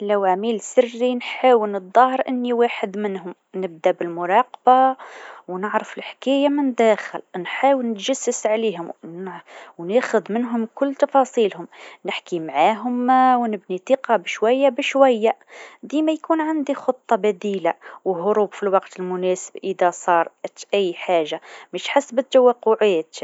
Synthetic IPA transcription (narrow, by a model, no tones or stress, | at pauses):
læwʕamiːlsɪrːinħaːwəlnɨd̪ˤːɑhɾʔɪnːiwaħəd̪mɪnhʊm | nɪb̚d̪abɪlmʊɾˤɑːqɑbawnəʕɾəfɪlħkæːjamɪnd̪æxɪ̰lnħaːwəlnɪt̪ʒasːəsʕaliɦʊm | wnæxʊd̪mɪnɦʊmkʊlːt̪ɑfɑsˤiːlhʊmnəħkimʕaɦʊmwnəbnit̪ˤiqɑbʃwæjːabəʃwæjːad̪imæjkunʕand̪ixot̪ˤːɑbæd̪ilawɦʊɾuːbfilwɑqt̪əlmʊnæsəbʔəd̪æsˤɑːɾˤʔt̪ʔæjːħaʒːamæʃħasːbət̪ːawæqːʊʕæːt̪